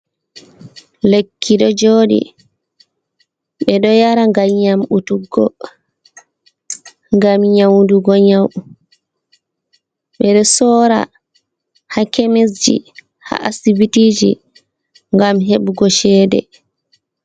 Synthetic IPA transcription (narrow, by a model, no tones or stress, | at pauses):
lekʰːiɗɔd͡ʒoːɗḭ | ɓɛɗɔjaɾaŋɡaɲamutuɡːɔ | ŋɡamɲawnduɡɔɲaw | ɓɛɗɔsɔːɾa̰ | hakemis̬d͡ʒḭ | ha̰ʔasibitiːd͡ʒḭ | ŋɡamɦeɓuɡɔʃɛːdɛ̰